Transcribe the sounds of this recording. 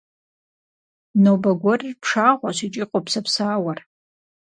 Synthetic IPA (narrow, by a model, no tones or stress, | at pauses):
nobaɡʷorpʰʂaʁʷaʃʷit͡ʃʼiqʷʼopʰsapʰsaːwar